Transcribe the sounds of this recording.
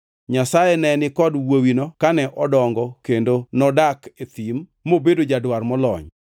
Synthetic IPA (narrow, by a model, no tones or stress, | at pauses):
ɲasajɛnɛnɪkɔdwowinɔkanɛʔɔdɔŋɡɔkendonɔdaket̪immobedod͡ʒadwarmɔlɔ̰ɲ